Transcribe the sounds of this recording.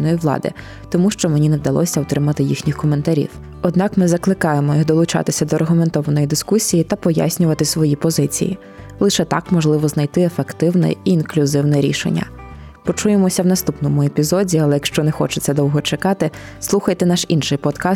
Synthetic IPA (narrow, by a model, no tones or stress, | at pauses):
nɔjiwlˠɑ̰d̪ɪ̰ | t̪ɔmuʃt͡ʃɔmenʲinɛwd̪ɐlˠɔ̰sʲɐwt̪ɾɪmɐt̪ɪjixnʲixkɔme̞nt̪ɐɾʲḭw | ɔd̪nɑkmɪzɐklˠɪkɑjemɔjid̪ɔlˠʊt͡ʃɑ̰t̪ɪsʲɐd̪ɔrɦʊment̪ɔʋɐnɔjid̪ɪskusʲijit̪ɐpɔja̰sʲnʲʊʋɐt̪ɪsʋɔjipɔzɪt͡sʲḭjḭ | lˠɪʃɛt̪ɑ̰kmɔʒlˠɪʋɔznɐjt̪ɪefekt̪ɪwnɛ̰iːnklʲʊzɪwnɛɾʲḭʃḛnʲːɐ̰ | pɔt͡ʃujemɔsʲɐwnɐst̪upnɔmʊepʲizɔdʲiɐlˠɛjɐkʃt͡ʃɔnɛxɔt͡ʃɪ̥t͡sʲːɐd̪ɔwɦɔt͡ʃekɑt̪ɪ | slˠuxɐjt̪ɛnɑʃinʃɪjpɔt̪kɑ